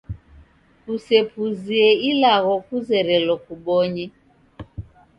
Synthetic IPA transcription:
kusɛpuziɛilaɣɔkuzɛɾɛlɔkuɓɔɲɛ

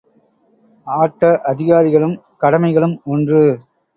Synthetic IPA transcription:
aːʈːɐʔɐðɪɣaːɾɪɣɐɭɯmkɐɽɐmɐɪɣɐɭɯmɔndrɯ

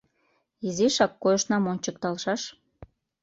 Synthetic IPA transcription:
iziʃɑkːojəʃnɑmonʲt͡ɕək̚t̪ɑlʃɑʃ

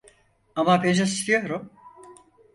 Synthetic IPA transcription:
amapend͡ʒasi̥st̪ʰijo̞ɾum

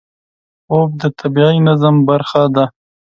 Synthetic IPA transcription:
ob̚d̪ət̪ʰabiinazambaɾxad̪a

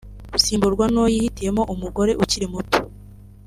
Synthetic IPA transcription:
usiːmbuɾɡwanojihitije̞mo̞ʔumuɡo̞ɾe̞ʔuciɾimuto̥

